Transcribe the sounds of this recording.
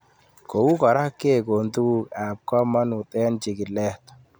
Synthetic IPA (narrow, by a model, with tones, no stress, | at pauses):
ko˨wu˦kɔ˨ɾa˦kːe˦˨ko˨nt̪u˦ka˨p̚kɔ˦ma˦nʊ˨t̪ɛ˦nt͡ʃɪ˨ɡɪ˨lɛ˦t̪